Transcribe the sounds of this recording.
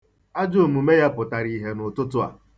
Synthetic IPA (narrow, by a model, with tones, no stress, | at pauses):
a˦d͡ʒo˦˨mu˨me˦ja˦pʊ˨ta˨ɾi˨ɦe˨nʊ˨tʊ˦tʊ˦a̰˨